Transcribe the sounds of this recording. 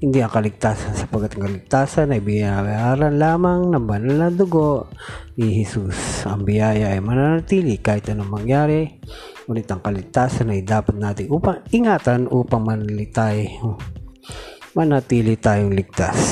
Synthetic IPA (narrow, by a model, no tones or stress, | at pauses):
hɪnd̪iʔɐŋkɐlɪɡ̚t̪aːsɐnsɐpɐɡ̚kːat̪ɐŋkɐlɪɡ̚t̪aːsɐnɐjbɪjjaɾɐnlaːmɐŋnɐŋbɐnalnɐd̪ʊɡoʔnɪhɛsusɐŋbɪjaːjɐʔɐjmɐnanɐt̪iːlɪkaːhɪt̪ɐnoɐŋmɐŋjaːɾɛ | kuːnɪt̪ɐŋkɐlɪɡ̚t̪aːsɐnɐjd̪aːpɐt̪̚naːt̪ɪŋʔuːpɐŋɪŋaːt̪ɐnʔuːpɐŋmɐnlɪt̪aj | mɐnɐt̪iːlɪt̪aːjoŋlɪɡ̚t̪as